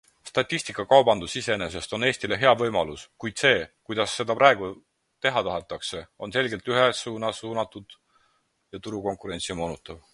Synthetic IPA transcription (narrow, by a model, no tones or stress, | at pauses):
st̪ɑt̪ʲˑːisʲt̪ikːˑɑkɑwbɑnd̪̥usise̞ene̞s̬e̞st̪o̞ne̞ːsʲt̪ile̞ɦe̞ɑvɤ̞jmɑluskujd̪̥se̞ːkujd̪̥ɑsːe̞d̪̥ɑprɑe̞ɡ̥u | t̪e̞ɦɑt̪ɑɦet̪ːˑɑkse̞o̞nse̞lɡelt̪yɦesuːnɑsuːnɑt̪ːˑud̪̥ | jɑt̪uɾuko̞ŋkˑuɾe̞nt̪simoːnut̪ːˑɑv